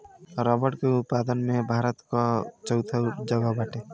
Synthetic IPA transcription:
ɾɔːbəʈkeʊt̪̚paːd̪ənmẽbʱaːɾət̪kot͡ʃəwt̪ʰad͡ʒəɡabaːʈe

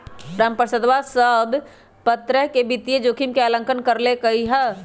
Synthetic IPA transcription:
pɾampəsəd̪ʋasəbʱ | pət̪ɾəɦkebit̪ijed͡ʒokʰimkealə̃ŋkənkəɾlekəiɦɛ

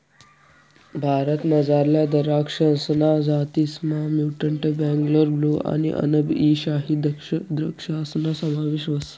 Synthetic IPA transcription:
bʱaɾət̪məd͡zaɾljad̪əɾakʂənsnad͡zat̪ismamjuʈəɳʈebɛ̃ŋɡləɾbluʔa̰nḭʔə̰nəbiɕaɦid̪kʂd̪ɾəkʂasnasəmaʋeʃʋəs

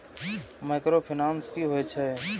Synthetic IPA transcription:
maːkɾopʰɪnãːnskiɦoet͡ʃʰɛ

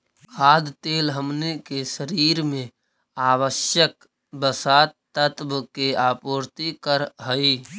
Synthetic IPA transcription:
kʰaːd̪t̪eːlɦəmnekeʃəɾiːɾmẽ | aːwəʃjək̚ | bəsaːt̪ː | ət̪bkeaːpoːɾt̪ikəɾɦəi

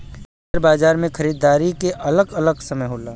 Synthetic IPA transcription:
əɾbaːd͡ʒaːɾmẽkʰəɾiːd̪ːaːɾikeʔɐləɡɐləɡsəməjɦoːlaː

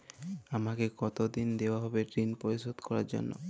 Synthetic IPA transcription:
amakekɔt̪od̪ind̪eoaɦɔbeʈɾinpoɾisod̪kɔɾa̰ɾd͡ʑo̰nːo̰

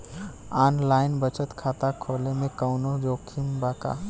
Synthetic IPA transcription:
aːnlaːɪnbət͡ʃət̪kʰaːt̪akʰoːlemẽkəʊnod͡ʒoːkʰimbaːka̰

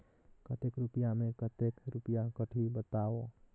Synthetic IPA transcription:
kət̪ekɾupjamekət̪ekɾupjakəʈʰibət̪awo

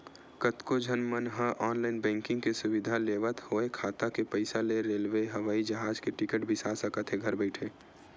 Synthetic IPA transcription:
kət̪kod͡ʒʱənmənɦə̃ʔɔːnlaːɪnbɛ̃ːŋkɪ̃ŋɡkesʊʋɪd̪ʱaleːʋət̪hoːekʰaːt̪akepəɪsaleɾeːlʋeɦɐʋaːid͡ʒəɦaːd͡ʒkeʈɪkəʈbʱɪsaːsəkət̪ʰɦeɡʱəɾbɛɪʈʰeː

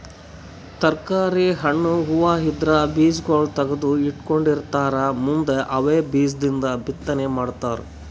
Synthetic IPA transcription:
t̪ɐɾkaːɾiɦɐɳːuɦuʋaːɦid̪ɾɐbiːsɡoːlt̪ɐɡɐd̪uiʈko̞ɳɖiɾt̪aːɾɐmund̪eʔɐʋeːbiːsd̪ind̪ɐbit̪ːɐnemaːɖt̪aːɾu

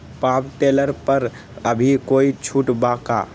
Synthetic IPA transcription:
papʈeləɾpəɾ | əbʱikoit͡ʃʰuʈbaka̰

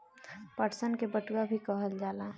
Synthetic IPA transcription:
pəɾsənkebəʈɡabʱikəɦəld͡ʒaːla

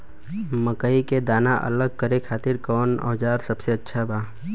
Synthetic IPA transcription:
məkəiked̪aːnaʔə̰ləɡ̚kəɾekʰaːt̪ɪɾkɔːnɔ̰ːd͡ʒaːɾsəbseɐtːʃʰabʱaː

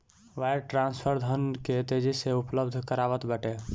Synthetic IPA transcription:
ʋajɖʈɾanspʰəɾd̪ʱənket̪ed͡ʒiseupləbd̪ʱkəɾaʋət̪bɛʈe

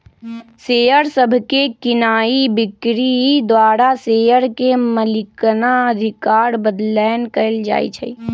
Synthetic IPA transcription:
seəɾsəbʱkekɪnaːibɪkɾid̪waːɾasejəɾkeməlɪknaəd̪ʱikaːɾbəd̪lɛnkəɪld͡ʒa̰ːj̰t͡ʃʰɛ̰

